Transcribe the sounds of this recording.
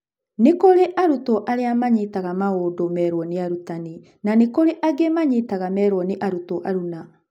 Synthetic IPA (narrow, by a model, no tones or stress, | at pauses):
nekoɾeʔaɾutɔʔaɾeamaɲitaɣamaoːdomɛːɾwɔniaɾutani | nanekoɾeʔaɡemaɲitaɣamɛːɾwɔniʔaɾutɔʔaɾuna